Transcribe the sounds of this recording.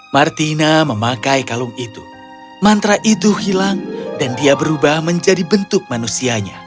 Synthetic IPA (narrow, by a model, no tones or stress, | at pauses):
mart̪inaməmakajkalumit̪u | mant̪ɾaʔit̪uhilaŋdandiabəɾubahməɲd͡ʒadibənt̪ʊk̚manusiaɲa̰